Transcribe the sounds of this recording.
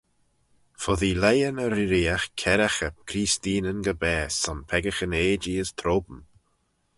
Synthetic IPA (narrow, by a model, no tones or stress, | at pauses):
fɔðiːlɛjənəɾiɾiːaxkʰɛɾaxəp̚kʰɾiːst̪iːnənɡəbɛːsɔnpʰɛɡəxəneːd͡ʒiəst̪ʰɾoːbəm